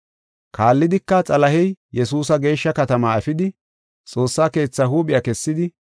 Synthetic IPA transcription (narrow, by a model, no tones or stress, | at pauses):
kʰaːlːɪd̪ɪkːɐt͡sʼɐlɐhɛjjɛsuːsɐɡe̞ːʃːɐkɐt̪ɐmaɐfɪd̪ɪ | t͡sʼo̞ːsːaːke̞ːt͡sːɐhuːɓɪjɐkɛsːɪd̪ɪ